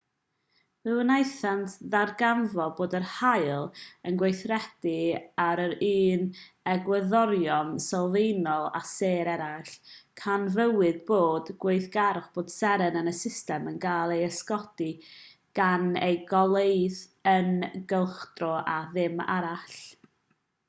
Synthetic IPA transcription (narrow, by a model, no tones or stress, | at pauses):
vɨwənajθantʰðarɡanvɔboːdərhajlˠənɡwejθrɛd̥iaɾəɾiːn | ɛɡwəðɔɾjɔnsalˠvejnɔlˠa̰seːɾɛɾaɬkʰanvəwɨðboːdɡ̥weɨθɡ̥aɾχb̥oːd̥sɛɾənənəsɪstɛmənɡaːlˠejəskɔd̥i | ɡ̥anḛjɡɔlˠejðənɡəlˠχd̥rɔʔaðɪma̰ɾaɬ